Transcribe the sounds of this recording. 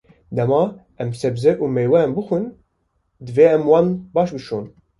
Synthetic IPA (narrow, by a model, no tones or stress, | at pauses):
d̪ɛmɑː | ɛmsɛbzɛʔuːmejwɛɛmbɨxʷɨn | d̪ɨveːɛmwɑːnbɑːʃbɨʃoːn